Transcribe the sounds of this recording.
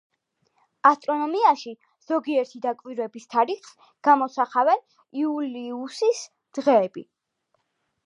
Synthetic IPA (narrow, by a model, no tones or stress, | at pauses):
ast̪ʼɾɔnɔmiaʃi | z̥ɔɡiɛɾt̪ʰid̪akʼwiɾɛbist̪ʰaɾiχs | ɡ̥amɔsaχavɛn | iuliusis | d̪̥ʁɛːbḭ